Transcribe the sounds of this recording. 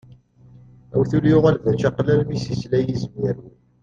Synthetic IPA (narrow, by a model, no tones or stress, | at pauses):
æ̰wθuljʊʁælðæt͡ʃæqlælmisislæjizmiɾwi